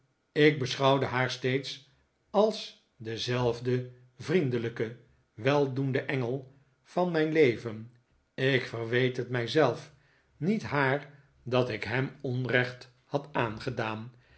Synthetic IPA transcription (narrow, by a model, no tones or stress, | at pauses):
ɪɡ̚bəsχɑwdəɦaːɹstejts | ɑlˠs | dəzɛlˠvdə | vrindələkə | ʋɛlˠdundəʔɛŋəlˠ | v̥ɑnmɛjnlejvən | ɪkfərʋejtɦətmɛjzɛlˠf | nitɦaːɹ | dɑtɪkɦɛmɔnrɛχt | hɑtaːnχədaːn